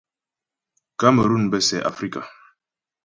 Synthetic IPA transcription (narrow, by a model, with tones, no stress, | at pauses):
ka˦mə˨ɾu˦˨n˨bɛ˦sɛ˨ʔa̰˨fɾi˦ka˨